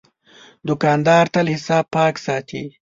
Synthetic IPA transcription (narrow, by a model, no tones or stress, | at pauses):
d̪ʊkɑːnd̪ɑːɾt̪alhɪsɑːb̚pɑːksɑt̪ḭ